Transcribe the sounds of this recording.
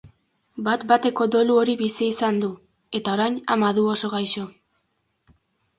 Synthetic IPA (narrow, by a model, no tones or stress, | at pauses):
bat̪bat̪e̞ko̞d̪o̞luo̞ɾiβisiisand̪u | e̞t̪ao̞ɾajnamaðuo̞so̞ɣajʃo̞